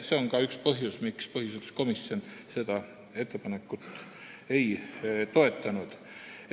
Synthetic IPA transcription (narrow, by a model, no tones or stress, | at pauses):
seo̞nkɑykspɤɦjusmikspɤɦjuset̪ːˑu̥sko̞misːo̞nse̞d̪̥ɑ | e̞t̪ːe̞pɑne̞kːˑut̪ːˑ | e̞jt̪o̞e̞t̪ːˑɑnud̪̥